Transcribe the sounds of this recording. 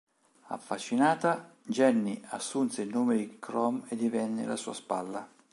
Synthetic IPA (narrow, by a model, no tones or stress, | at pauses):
a̰fːat͡ʃːinaːt̪ad͡ʒɛnːiasːunt̪seilnoːmɪd̪ikɾɔmed̪ivɛnːɪ̰lasṵːaspalːa